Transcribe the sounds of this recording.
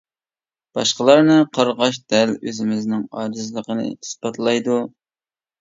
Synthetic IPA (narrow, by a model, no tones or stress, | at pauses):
b̥ɑʃqəlˠɑɾnɨqʰɑɾʁɑʃ̬d̪̥ɛløzɪmɪznɪŋɑːd͡ʒɨzlˠəqənɨ̰i̥sbɑt̪ʰlˠɑjd̪u